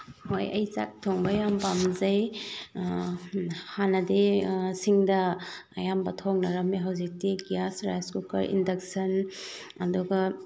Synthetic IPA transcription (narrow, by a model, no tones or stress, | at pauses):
hojɐ̰jt͡ʃa̰k̚tʰoŋbɐjampamzɐj | hanɐdesiŋdɐ̰ːjambɐtʰoŋnɐɾɐmːiɦɐwzik̚tiɡijasɾajskukɐ̰ɾʔḭndɐk̚sɐn | ɐduɡɐ